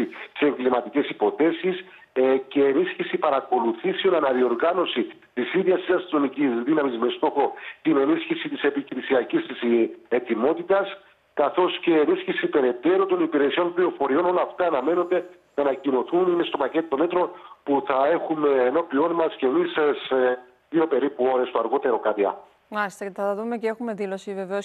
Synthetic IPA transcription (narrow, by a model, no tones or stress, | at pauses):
ii̥se̞ŋɡlimɐt̪ice̞sipo̞θe̞sis | ce̞ːnisçisipɐɾɐko̞luθisio̞nɐnɐðio̞ɾɣɐno̞si | t̪isiðjɐst̪isɐst̪ino̞micizðinɐmizme̞st̪o̞xo̞t̪ine̞nisçisit̪ise̞piçɾisiɐcist̪ise̞t̪imo̞t̪it̪ɐs | kɐθo̞sce̞ːnisçisipe̞ɾe̞t̪e̞ɾot̪o̞nipiɾe̞sio̞nplio̞fo̞ɾio̞no̞lɐːft̪ɐːnɐme̞no̞nd̪e̞ | nɐnɐcino̞θunimest̪o̞pɐce̞t̪ot̪o̞me̞t̪ɾo̞npuθɐe̞xumeːno̞pio̞nmɐscemisse | ðio̞pe̞ɾipuo̞ɾe̞st̪oɐɾɣo̞t̪e̞ɾo̞kɐt̪iɐ̰ | maist̪ɐɐɐðumeceexume̞ðilo̞sive̞veos